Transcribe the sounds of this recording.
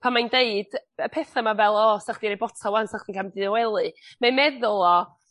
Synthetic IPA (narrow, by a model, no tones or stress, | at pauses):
pʰanmajndeɨd̥əpʰɛθamavɛlˠɔsaχd̥iɾejbɔtʰawansaχd̥inkʰamdɪɔwɛlˠɨmamɛðʊlˠɔ